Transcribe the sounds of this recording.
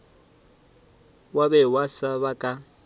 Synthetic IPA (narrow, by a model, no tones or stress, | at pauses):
wabɛwasaβakʼa